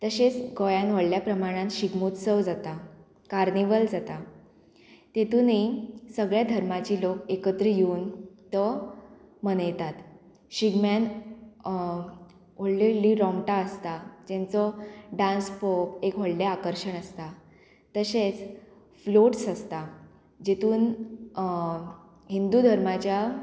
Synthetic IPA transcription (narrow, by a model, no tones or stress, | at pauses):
t̪əɕet͡sɡɔjanʋəɽljapɾəmaɽ̃ãnɕiɡmut̪səʋd͡zat̪a | kaɾniʋəld͡zat̪a | t̪et̪unisəɡɭjad̪ʱəɾmat͡ɕiːlokekət̪ɾəjuːnt̪ɔ | mənəjt̪at̪ | ɕiɡmjan | ʋolleliɾɔmʈaəst̪ad͡ʑẽnt͡sɔɖãnspopekɦəɽleakəɾɕəɳəst̪a | t̪əset͡s | floʈsəst̪a | d͡ʑet̪uːn | ɦind̪ud̪ʱəɾmat͡ɕja